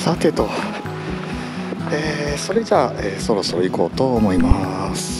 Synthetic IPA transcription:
sat̪ːeɯ̟t̪o | eːso̞ɾe̞d͡ʑaːeːso̞ɾo̞so̞ɾoiko̞̰ːt̪o̞ːmo̞imasɨ̥

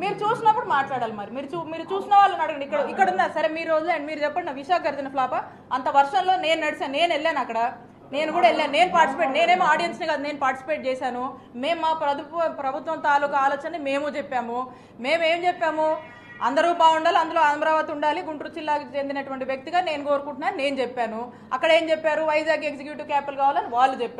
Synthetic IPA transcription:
miːɾut͡ʃuːsinːɐpːuɽumaːʈlaːɽaːlimɐɾimiːɾut͡ʃumiːɾut͡ʃuːsinɐʋaːɭːɐnɐɽɐɡɐɳɖikːɐɽuikːɐɽund̪aːsɐɾemiːɾo̞ːd͡ʒulaɐɳɖimiːɾud͡ʒɛpːɐɽinɐʋiʃaːkʰɐɡɐɾd͡ʒ̪ɐnɐpʰlaːpɐ | ɐnt̪ɐʋɐɾʂɐnlo̞ːne̞ːnunɐɽisaːnne̞ːneɭːaːnɐkːɐɽɐ | ne̞ːnuɡuːɽɐeɭːeːnne̞ːnupaːɾʈisi̥peʈne̞ːneːmaːɖijɐnsniɡaːd̪une̞ːnupaːɾʈisi̥peːʈ̚t͡ʃɛːsaːnu | me̞ːmmaːpɾɐd̪uɐpɾɐbʱut̪ʋɐmt̪aːluːkɐaːloːt͡ʃɐnime̞ːmut͡ʃepːaːmu | me̞ːme̞ːmd͡ʒɛpːaːmu | ɐnd̪ɐɾuːbaːɡuɳɖaːliɐnd̪ulo̞ːɐnmɐɾaːʋɐt̪iuɳɖaːliɡuɳʈɾut͡ʃilːaːkɐt͡ʃend̪inɐʈuʋɐɳʈiʋjɐk̚t̪iɡaːne̞ːnuko̞ːɾukuɳʈunaːnne̞ːnut͡ʃɛpːaːnu | ɐkːɐɽe̞ːmt͡ʃɛpːaːɾuʋɐjd͡ʒaːɡeks̬ikjuːʈikaːpelkaːʋaːlɐniʋaːɭːut͡ʃepːaː

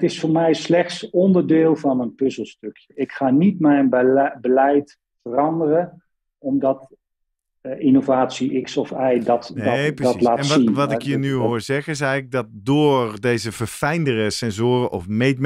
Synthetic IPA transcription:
tɪsfʊːɹmɛjslɛχtsɔndəɹdɪːlˠvɑnənpɵzəlˠstɵkjəɪkχaːnitmɛjnbəlɛjt | fərɑndərə | ɔmdɑt | ɪnovaːtsiʔɪksɔfajdɑtpdlaːnsinʋɑtɪkjənyɦoːɹzɛχənɪs̬ɛjɣləɡ̚dɑt̚doːɹdejzəvəɹfɛjndərəsɛnzʊːrəʔɔfmejt̚m

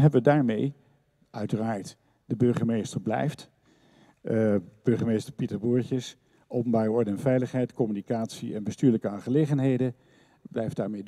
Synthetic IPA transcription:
ɦɛbəʋədaːɹmej | ʔœɥtəraːɹt | dəbɵɹχəmejstəɹblɛ̰jft | b̥ɵɹχəmejstəɹpitəɹbuːɹtəs | ʔowpənbaːrəɔɹdəɛnvɛjləχɦɛjtkɔmynikaːtsḭɛnbəstyːɹləkəaːnχəlejχənɦejdə | blɛjfdaːɹmej

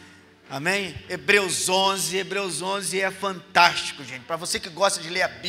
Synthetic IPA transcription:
amẽj̃ebɾewzõzɪebɾewzõzɪɛfɐ̃nt̪ast͡ʃi̥kʊʒẽnt͡ʃɪ̥pɾɐvosekɪɡɔst̪ɐd͡ʒɪleɾabi

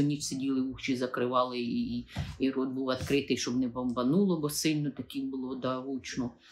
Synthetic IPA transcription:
ɔnʲit͡ʃsɪdʲilˠɪuxt͡ʃizɐkɾɪʋɑlˠɪiiɾɔd̪̚buwɐt̪kɾɪt̪ɪjʃt͡ʃɔbnɛbɐmbɐnulˠɔbɔsɪlʲnɔt̪ɐkimbʊlˠɔd̪ɐʋut͡ʃnɔ

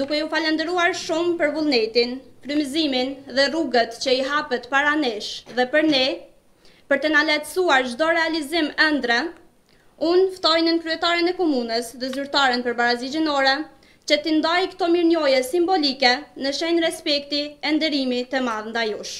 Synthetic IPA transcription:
d̪ukɛufalɛnd̪ɛɾuaɾʃumpəɾvulˠnɛt̪inkɾymiziminðɛruɡət̪t͡ɕəiɦapət̪paɾanɛʃðɛpəɾnɛ | pəɾt̪ənalat̪suaɾd͡ʒd̪ɔɾɛalizimɛnd̪ɾɛ | unft̪ɔjnənkɾyɛt̪aɾənɛkɔmunəsðɛzyɾt̪aɾənpəɾbaɾazid͡ʑinɔɾɛ | t͡ɕət̪ind̪ajkt̪ɔmiɾnɔjɛsimbɔlikɛnəʃɛnɾɛspɛk̚t̪iɛnd̪ɛɾimit̪əmaðnd̪ajuʃ

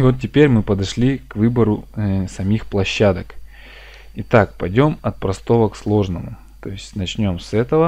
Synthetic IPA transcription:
ɪvo̞t̪ʲtʲːɪpʲeɾʲmɨpəd̪ɐʂlʲikvɨbəɾʊsɐmʲixplˠɐɕːad̪ək | ɪt̪ak̚pɐjdʲo̞mɐt̪̚pɾɐst̪o̞vəkslˠo̞ʐnəmʊ | t̪o̞ɪsʲtʲnɐt͡ɕnʲo̞msɛt̪əvə

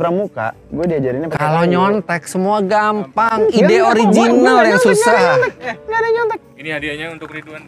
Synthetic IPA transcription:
pɾamuka̰ | ɡuɛdiad͡ʒaɾiɲakkalowɲɔnt̪ɛk̚səmuaɡampaŋideoɾid͡ʒinaljaŋsusahadaɲɔnt̪ɛk̪̚ | k

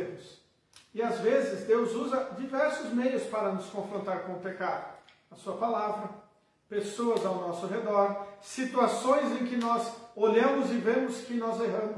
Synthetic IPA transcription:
mʊs | ɪazvezɪzd̪ewzuzɐd͡ʒivɛɾsʊzmejʊspaɾɐnʊskõfɾõnt̪aɾkõʊpekad̪ʊ | ɐsuɐpalavɾɐ | pesoɐzawnɔsʊɦed̪ɔɾsit̪uasõj̃zẽj̃kɪnɔzoʎɐ̃mʊzɪvẽmʊskɪnɔzeɦɐ̃mʊ

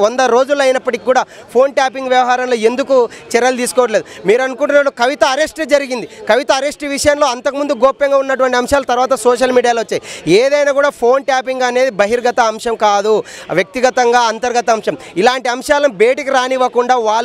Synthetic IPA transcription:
ɔnd̪ɐɾo̞ːd͡ʒulɐjnɐpːɐʈikikːuːɽaː | pʰo̞ːnʈaːpiŋɡʋjɐʋɐɦaːɾɐmlo̞ːe̞nd̪ukut͡ʃɛɾɐlt̪iːs̬u̥kɔːʋɐʈ̬ɐled̪umiːɾɐnukuɳʈunaɽukɐʋit̪ɐɐɾesʈed͡ʒɐɾiɡind̪ikɐʋit̪ɐɐɾe̞sʈʋiʂɐjɐnlo̞ːɐnt̪ɐkɐmund̪uɡoːpːɐŋɡaːunːɐʈ̬uʋɐɳʈiɐmʂaːlɐt̪ɐɾʋaːt̪ɐsoːʂ̬ɐlmiːɽijaːloʋɐt͡ʃːaːjieːd̪ɐjnaːkuːɽaːpʰo̞ːɳʈaːp̬iŋɡɐne̞ːd̪ibɐɦiɾɡɐt̪ɐɐmʂɐmkaːd̪uʋjɐk̚t̪iɡɐt̪ɐŋɡaːɐnt̪ɐɾɡɐt̪ɐːmʂɐmilaːɳʈiɐmʂaːlɐnbe̞ːʈikiɾaːniʋɐkuɳɖaːʋaːɭ

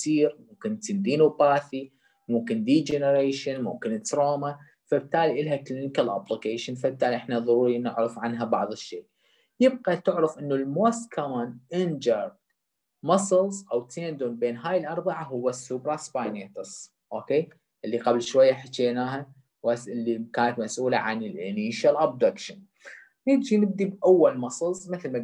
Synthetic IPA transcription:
siːɾmʊmkɪnt̪ɪnd̪iːnubaːθi | mʊmkɪnd̪iːd͡ʒenəɾeːʃɪnmʊ̰mkɪnt̪ɾoːma | fab̚t̪aːliʔɪlɦaklɪnɪkalʔa̰blikeːʃɪnfab̚t̪aːliʔɪħnaðˤɑɾuːɾinɪʕɾɑfʕanɦabɑʕðˤɨʃːeːʔ | jɪb̚qat̪ɪʕɾɑfʔɪnːulmoːskʰamaːnʔɪnd͡ʒɑɾˤ | mɑsˤɨlzʔawt̪ʰeːnd̪uːnbeːnɦaːjɪlʔɑɾˤbɑʕaɦʊwːasːuːbɾˤɑsbajneːt̪ɨsˤ | ʔoːkeː | ʔɪlːiqablʃwajːaħat̪eːnaːɦa | wasʔɪlːikaːnat̪masʔuːla̰ʕanɪlʔɪ̰niːʃalʔab̚d̪akʃɪn | nɪdd͡ʒinɪb̚d̪ibʔawːalmɑsˤɨlzˤmɪθlma

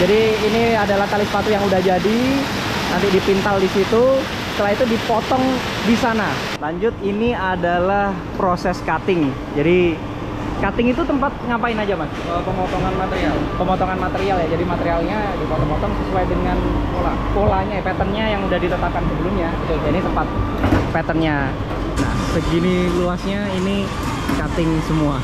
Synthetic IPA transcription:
d͡ʒadiːniadalaht̪alisəpat̪ujaŋudahd͡ʒadi | nant̪idipint̪aldisit̪u | sət̪əlait̪udipot̪ɔŋ | disana | laɲd͡ʒʊt̪̚iniadalah | pɾosɛskat̪ɪŋ | d͡ʒadi | kat̪ɪŋit̪ut̪əmpat̪̚ŋapaɪnad͡ʒama | əpəmɔt̪ɔŋanmat̪eɾialpəmɔt̪ɔŋanmat̪eɾialjad͡ʒadimat̪eɾialɲadikɔt̪ɔŋmɔt̪ɔŋsəsuajdəŋankola | kolahɲapɛt̪ənɲajaŋudahdit̪ət̪ap̚kansəbəlumɲa | t̪ud͡ʒainit̪əmpat̪̚ | pɛt̪ənɲa | na̰ | səɡiniluasɲaini | kat̪ɪŋsəmua

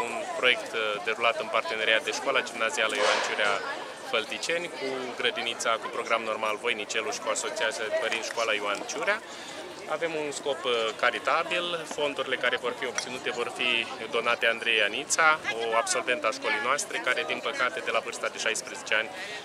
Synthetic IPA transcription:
unpɾo̞je̞kt̪d̪e̞ɾulat̪ɨnpart̪e̞ne̞ɾiat̪̚d̪e̞ʃkwalad͡ʒimnazialəjoant͡ʃuɾea | fəlt̪it͡ʃe̞nʲkʰuɡɾəd̪init̪sakupɾo̞ɡɾamno̞rmalvo̞jnit͡ʃe̞luʃi̥kuaso̞t͡ʃiat̪sʲad̪pəɾinʃkwalajoant͡ʃuɾea | a̰ve̞munsko̞pkaɾit̪abilfo̞nd̪uɾile̞kaɾe̞vo̞rfio̞b̚t̪sinut̪e̞vo̞rfid̪o̞nat̪e̞and̪ɾe̞janit̪sao̞abso̞lve̞nt̪aʃko̞lejnoast̪ɾe̞kaɾe̞d̪inpəkat̪e̞d̪e̞lavɨrst̪ad̪e̞ʃajspɾeze̞t͡ʃe̞anʲ

